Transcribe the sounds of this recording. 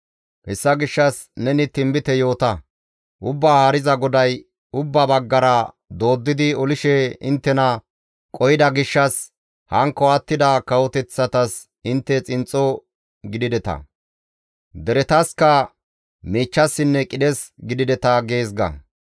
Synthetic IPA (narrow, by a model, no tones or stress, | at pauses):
hɛsːɐɡɪʃːɐsnɛnɪt̪ɪmbɪt̪ɛjo̞ːt̪ɐ | ʔʊbːaːhɐɾɪzɐɡɔd̪ɐj | ʊbːɐbɐɡːɐɾɐ | d̪o̞ːd̪ːɪd̪ɪɔlɪʃɛɪnt̪ːɛnɐ | kʼɔjɪd̪ɐɡɪʃːɐs | hɐŋkːɔɐt̪ːɪd̪ɐkɐwɔt̪ɛt͡sːɐt̪ɐs | ɪnt̪ːɛt͡sʼɪnt͡sʼːɔ | ɡɪd̪ɪd̪ɛt̪ɐ̰ | d̪ɛɾɛt̪ɐskɐ | miːt͡ʃːɐsːɪnːɛkʼɪd̪ɛsɡɪd̪ɪd̪ɛt̪ɐɡe̞ːsɡɐ̰